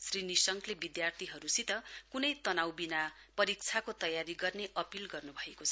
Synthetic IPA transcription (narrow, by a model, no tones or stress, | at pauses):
srinisʌŋklebid̪jart̪ʰiɦʌɾusit̪ʌkunʌjt̪ʌnawbina | pʌɾik̚t͡sʰakot̪ʌjaɾiɡʌrneʔʌpilɡʌrnubʱʌekot͡sʰʌ